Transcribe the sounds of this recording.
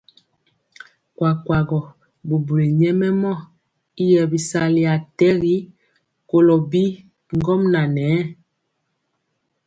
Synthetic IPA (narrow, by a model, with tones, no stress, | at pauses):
kwa˨kwa˨ɡɔ˨ | bu˨bu˨ɾi˨ɲɛ˦mɛ˦mɔ˦˨ | i˦jɛ˨bi˨sa˨li˨a˨tɛ˦ɣi˦ | ko˨lɔ˨bi˦ | ŋɡɔ˦mna˨nɛː˨˦